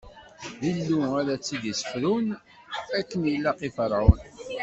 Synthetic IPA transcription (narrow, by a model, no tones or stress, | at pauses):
ðilːuæɾæt͡sːid̪isə̥fɾun | ækːənjəlːæqifəɾˤʕʊn